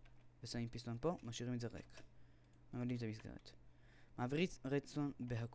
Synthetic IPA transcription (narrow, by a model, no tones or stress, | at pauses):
vesaimpist̪onpo̞maʃiʁimetzeʁḛk | memalimet̪amisɡḛʁḛt̪ | maːvʁit͡sʁet͡sonbeɦak